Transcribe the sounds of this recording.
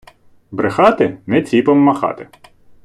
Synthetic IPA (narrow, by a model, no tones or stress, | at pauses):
bɾɪxɑt̪ɪnɪt͡sʲipɔmːɐxɑ̰t̪ɪ